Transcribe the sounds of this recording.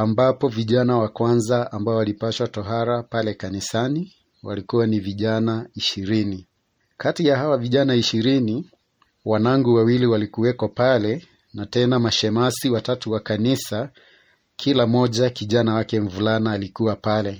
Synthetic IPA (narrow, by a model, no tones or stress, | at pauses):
ambapɔviʄanawakwanzaambaɔalipaʃwatɔɦaɾapalɛkanisani | wa̰likuwaniviʄanaiʃiɾini | katijahawaviʄanaiʃiɾini | wanaŋɡuwawiliwalikuwɛkapalɛ | natɛnamaʃɛmasiwatatuwakanisa | kʰilamɔʄakiʄanawakɛɱvulanaːlikuwapalɛ